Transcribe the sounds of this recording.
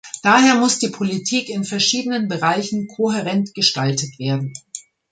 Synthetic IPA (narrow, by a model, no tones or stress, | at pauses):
d̥aːɦeːɐmʊsd̥iːpʰolitʰiːkɪnfɛɐʃiːdənənbəʁaɪçn̩kʰoɦɛʁɛntɡ̥əʃtaltətv̥eːɐdn̩